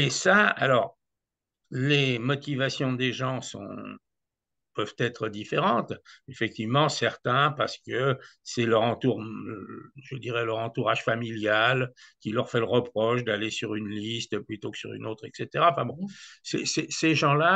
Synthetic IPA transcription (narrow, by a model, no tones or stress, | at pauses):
esaa̰lɔʁ | lemɔt̪ivasjɔ̃d̪eʒɑ̃sɔ̰̃ | pœvt̪ɛt̪χəd̪ifeʁɑ̃t̪efɛk̚t̪ivmɑ̃sɛʁt̪ɛ̃paʁsə̥kəsɛlœʁɑ̃t̪uʁ | ʒəd̪iʁɛlœʁɑ̃t̪uʁaʒ̥familjalkʲilœʁfɛləʁəpχɔʃd̪alesyʁynlist̪plyt̪okə̥syʁy̰not̪χɛkset̪eʁaɑ̃fɛ̃bɔ̃sɛ̰seseʒɑ̃la